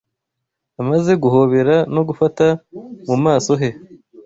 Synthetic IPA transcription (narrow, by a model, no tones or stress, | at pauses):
amaze̞ɡuho̞βe̞ɾano̞ɡufatamumaːso̞ɦe̞